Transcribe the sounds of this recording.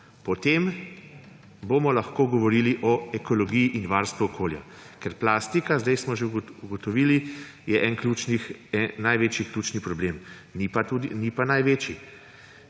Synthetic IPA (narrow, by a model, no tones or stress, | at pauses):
pɔt̪em | bomɔlaxkoːɡɔʋɔɾiːliʔɔɛkɔlɔɡijiʔinʋaɾst̪ʋuɔkʰoːlja̰ | kɛɾplast̪ikazd̪ɛjsmɔʒeuɡɔt̪ɔʋiːli | jɛʔɛnkluːt͡ʃniɛnajʋeːt͡ʃjikluːt͡ʃnipɾɔbleːm | nipat̪ud̪inipanajʋeːt͡ʃi